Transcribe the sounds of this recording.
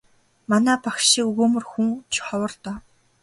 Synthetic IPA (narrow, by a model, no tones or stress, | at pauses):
manæːpakʃiːkɵɣoːmɵ̆rxuŋt͡ɕʰχɔwə̆rt̪ɔː